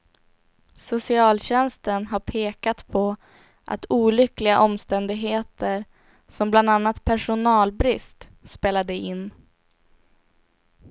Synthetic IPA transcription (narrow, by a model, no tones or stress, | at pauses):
sʊsɪɑːlɕɛnst̪ənɦaɾpʰeːkat̪pʰɔ | ʔa̰t̪ʰuːlʏklɪɡaʔɔmst̪ɛnd̪ɪɡɦeːt̪ʰəɾ | sɔmbland̪anːat̪pʰæʂʊnɑːlbɾɪst̪speːlad̪əɪnː